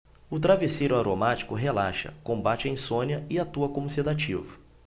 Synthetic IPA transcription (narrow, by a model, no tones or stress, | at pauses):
ʊt̪ɾavesejɾʊaɾomat͡ʃi̥kʊɦelaʃɐ̰kõbat͡ʃɪẽj̃sõnɐɪat̪uɐkõmʊsid̪at͡ʃivʊ